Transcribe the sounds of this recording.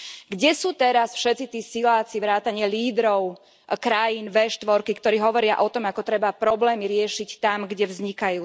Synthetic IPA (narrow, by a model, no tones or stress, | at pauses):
ɡɟɛsuːt̪ɛɾasfʃɛt̪t͡sit̪iːsilaːt͡siʋɾaːt̪aɲɪaliːd̪ɾɔʊ | kɾajiːnʋɛʃt̪ʋɔɾkikt̪ɔɾiːɦɔʋɔɾɪa̰ʔɔt̪ɔmakɔt̪ɾɛbapɾɔblɛːmiɾɪɛʃict̪amɡɟɛʋzɲikajuː